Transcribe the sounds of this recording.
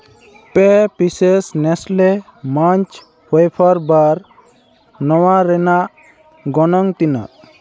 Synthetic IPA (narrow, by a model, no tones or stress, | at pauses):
pɛpisesnɛslɛ | maɲt͡ʃ | hojpʰaɾbaɾ | nɔwaɾɛnaʔ | ɡɔnɔŋt̪ina̰ʔ